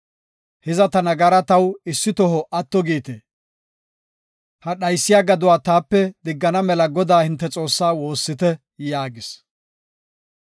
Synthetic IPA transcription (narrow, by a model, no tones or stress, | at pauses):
hɪzɐt̪ɐnɐɡɐɾɐt̪ɐwɪsːɪt̪ɔɦɔʔɐt̪ːɔɡiːt̪ḛ | hɐɗɐjsːɪjaːɡɐd̪ʊwaːt̪aːpːɛd̪ɪɡːɐnɐmɛlɐɡɔd̪aːhɪnt̪ːɛt͡sʼo̞ːsːaːwo̞ːsːɪt̪ɛ | jaːɡɪs